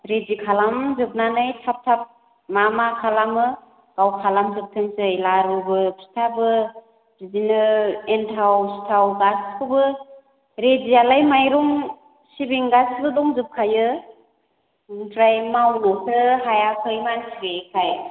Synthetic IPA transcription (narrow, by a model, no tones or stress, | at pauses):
ɾed͡ʒikʰalamzɯb̚nanɯjtʰap̚tʰap̚ | mamakʰalamɯ | ɡ̥awkʰalamzɯp̚tʰɯŋsɯjlaɾubɯpʰi̥tʰabɯ | b̥izinɯentʰawsi̥tʰawɡaskʰɯbɯ | ɾezialajmajɾuŋ | sibiŋɡasbɯdɔŋzɯp̚kʰajɯ | tʰɾajmawnɯkʰɾɯɦajakʰɯjmansʰiɡekʰaj